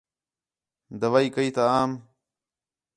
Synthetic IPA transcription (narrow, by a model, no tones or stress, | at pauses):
d̪əʋaːiːkəiːt̪aaːm